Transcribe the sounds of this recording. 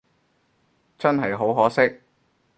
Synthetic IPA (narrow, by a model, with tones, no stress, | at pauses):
t͡sɐ˥nɦɐ˨jɦo˨˥wɦɔː˨˥sɪ˥k̚